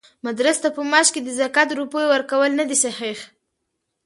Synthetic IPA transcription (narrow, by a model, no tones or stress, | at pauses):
mad̪ɾəst̪apəmɑʃked̪əzakat̪ɾupojowəɾkawəlnad̪isahix